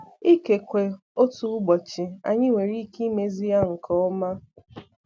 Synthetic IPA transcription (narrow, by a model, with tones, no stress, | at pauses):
i˦ke˨kʷe˨ | o˦tu˦ɡ͡bɔ˨t͡ʃɪ˨a̰˨ɲɪ˦ŋʷe˨ɾi˦ki˦me˦zi˦ja˦ŋ̩˨kʰɔ˨˦ɔ˦ma˦